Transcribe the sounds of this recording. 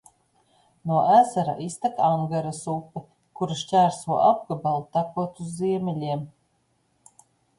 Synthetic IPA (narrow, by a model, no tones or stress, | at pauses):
nuɔʔæzaɾa̰ʔist̪akaŋɡaɾasupːe | kuɾaʃt͡ʃʲæɾsuɔʔab̚ɡabalˠt̪akuɔt̪uzːiɛmʲɛlʲiɛm